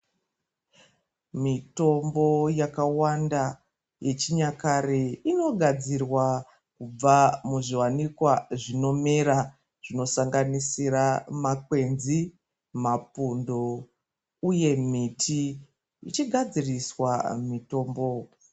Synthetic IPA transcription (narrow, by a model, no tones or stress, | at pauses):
mito̞mbo̞jakawanda | je̞t͡ʃiɲakareino̞ɡʱad͡zirwa | kub͡vamuʐiwanikwaʐino̞meɾa | ʐ̥ino̞saŋɡanisiɾamakwe̞nzi | mapundo | uje̞mitʰi | ḭt͡ʃiɡʱad͡ziriswamito̞ːmbo̞